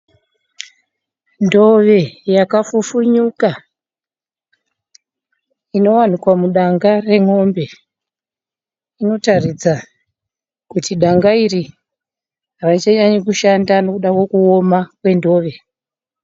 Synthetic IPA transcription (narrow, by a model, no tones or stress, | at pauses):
ndo̞ʋe̞jakafufuɲuka | ino̞wanikwamuɗaŋɡare̞ŋo̞mbe̞ | ino̞tarid͡za | kutiɗaŋɡairi | rait͡ʃaɲaɲikuʃandano̞kuɗakwo̞kuomakwe̞ndo̞ːʋe̞